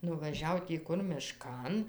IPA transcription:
nʊʋɐˈʒʲɛʊ tʲiː ˈkʊr mʲɪˈʃkɐn

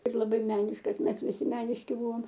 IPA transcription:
ɪr lˠɐˈbɐɪ ˈmʲæːnʲɪʃkɐs ˈmʲɛs ʋʲɪˈsʲɪ ˈmʲæːnʲɪʃʲkʲɪ ˈbʊʋoːm

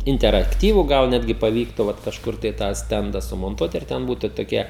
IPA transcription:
ɪnʲtʲɛrɐkˈtʲiːʋuː ˈɡɐlˠ ˈnʲæːdʲɡʲɪ pɐˈʋʲiːktʊ ˈʋɐt kɐʃˈkʊr tɐɪ tɑː ˈsʲtʲɛndɐ sʊmoːnˈtuɔt ɪr ˈtʲɛn ˈbuːtʊ toːˈkʲɛ

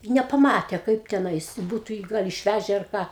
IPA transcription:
ɪ nʲɛpɐˈmɑːtʲeː ˈkɐɪp tʲɛˈnɐɪs ˈbuːtʊ jiː ˈɡɐlˠ ɪʃʲˈʋʲæʒʲɛ ɐr ˈkɑː

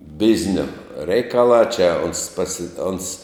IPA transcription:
ˈbʲɪzʲnʲoː ˈrʲɛɪkɐlˠɑː t͡ʃʲɛ oːns pɐsʲɪ oːns

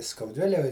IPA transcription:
skɐʊˈdʲʋʲɪlʲɛj

